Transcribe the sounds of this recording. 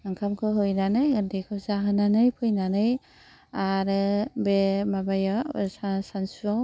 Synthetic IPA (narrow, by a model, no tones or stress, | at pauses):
aŋkʰamkʰɯɦɯjnanɯjɯndekʰɯzaɦɯnanɯjpʰɯjnanɯj | aɾɯbemabajasasansuaw